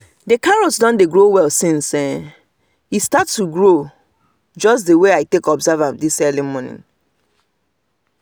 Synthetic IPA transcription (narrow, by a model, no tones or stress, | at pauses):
dekaɹɔsdɔ̃ndeɡɹowɛlsĩnsɛ | histatstːuɡɹo | d͡ʒɔs̬deweaɪtekɔbzavãmdisɛlimɔnḭ̃n